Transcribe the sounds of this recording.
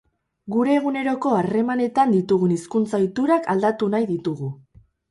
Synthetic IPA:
ɡuɾe̞ːɣune̞ɾo̞ko̞are̞mane̞t̪and̪it̪uɣ̞uniskunt͡sajt̪uɾakald̪at̪unajðit̪uɣu

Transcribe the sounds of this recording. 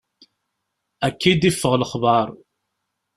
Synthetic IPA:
ækːid̪ifːəʁləχbɑɾˤ

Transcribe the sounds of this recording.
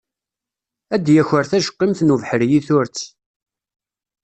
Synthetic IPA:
æd̪jæçəɾθæʃə̥qːimθnuvħəɾjiθʊɾt͡sː

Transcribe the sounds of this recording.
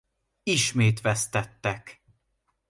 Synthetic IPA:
iʃmeːt̪ʋɛst̪ɛt̪ːɛk

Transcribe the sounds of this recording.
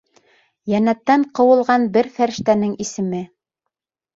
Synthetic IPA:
jænæt̪ːæɴqɤ̆wɤ̆lˠʁɑnbɘɾfæɾɘ̆ʃt̪ænɘŋisɘ̆mɘ

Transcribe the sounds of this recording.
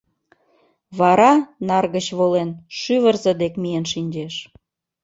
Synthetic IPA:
βɑɾɑnɑrɣət͡ɕβolenʃyβərzə̆d̪ekmijənʃinʲd͡ʑeʃ

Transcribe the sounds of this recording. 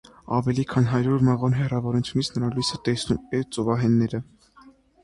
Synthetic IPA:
ɑvɛlikʰɑnɦɑɾuɾmɛʁɔnɦɛrɑvɔɾut͡sʰjunit͡sʰnəɾɑlujsət̪ɛsnumɛɾt͡sɔvɑɦɛnːɛɾə

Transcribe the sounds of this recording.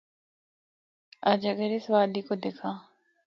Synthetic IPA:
əd͡ʒəɡəɾeːsʋaːd̪iːkod̪eːkʰãː

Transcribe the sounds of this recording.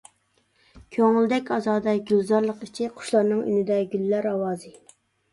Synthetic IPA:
kʲʰøŋyld̪ɛkʲɑzɑːd̪ɑɡʲøzɑɾlˠəqit͡ʃʰiqʰʊ̥ʃlˠɑɾnɨŋy̰nɪd̪ɛɡʲyllæɾɑwɑːzɨ

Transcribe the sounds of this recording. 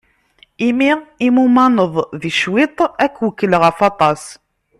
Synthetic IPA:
imiʁimumɑnəðˤðiʃwɪt̪ˤækːwəkːəlʁəfɑt̪ˤɑs

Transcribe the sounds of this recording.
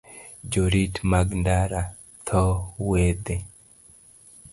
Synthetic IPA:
d͡ʒoɾitmaɡndaɾa | t̪ʰɔwed̪e

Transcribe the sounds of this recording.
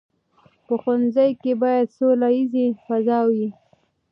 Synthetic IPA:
pəxʊnzəjkebɑjad̪solajizefazɑwi

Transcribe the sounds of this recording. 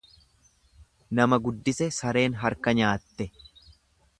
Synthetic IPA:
nɐmɐɡʊd̪ːɪsɛsɐɾe̞ːnɦɐɾkɐɲaːt̪ːɛ

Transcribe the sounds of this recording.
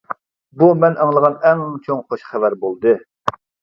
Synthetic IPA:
bumɛnʔɑŋlˠəʁɑnɛŋt͡ʃʰoŋχoʃχævæɾbolˠd̪ɨ

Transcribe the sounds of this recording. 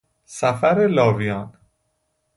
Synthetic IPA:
sæfæɾelɒːvijɒːn

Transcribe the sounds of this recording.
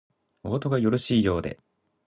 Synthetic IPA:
o̞ːt̪o̞ɡajo̞ɾo̞ɕiːjo̞ːd̪e̞̰

